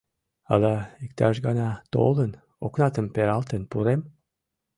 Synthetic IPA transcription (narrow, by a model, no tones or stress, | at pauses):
ɑ̰d̪ɑikt̪ɑʃɡɑnɑt̪o̰lˠən | oknɑt̪əmpeɾɑlˠt̪ənpuɾem